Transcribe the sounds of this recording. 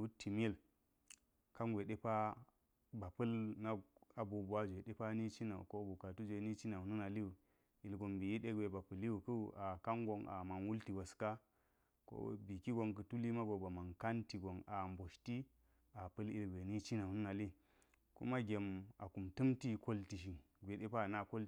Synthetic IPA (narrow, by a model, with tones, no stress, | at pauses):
u˦ti˨m˦e˦˨l | ka˦nɡʷe˨ɗe˦pa˦ | ba˨pɨ˦lna˦ɡa˨bu˨bu˨a˦d͡ʒʷe˨ɗe˦pa˦ni˦t͡ʃi˦na˨ṵ˨ko˦bu˨ka˨tu˦d͡ʒʷe˨ni˦t͡ʃi˦na˨u˨nu˦na˨li˦u˨ | i˨lɡo˨mbi˨ji˦ɗe˦ɡwʷe˨ba˨pɨ˨lːi˦u˨ku˦˨ʔa˨ka˦ŋɡo˨ŋʔa̰˨ma˨nwu˦lti˨wa˨ska˦ | ko̰˦bi˨ki˦ɡo˨ŋkə˨tu˦li˦ma˦ɡo˨ba˨ma˨nka˦nti˨ɡo˨na˨mbo˨ʃti˦ | a˨pɨ˦li˨lɡʷe˨ni˦t͡ʃi˦na˨nu˦na˨li˦ | kṵ˦ma˦ɡʲe˨ma˨ku˨mtɨ˦mti˦ko˦lti˨ʃ̬i˨ | ɡʷe˨ɗe˦pa˦˨na˦ko˦l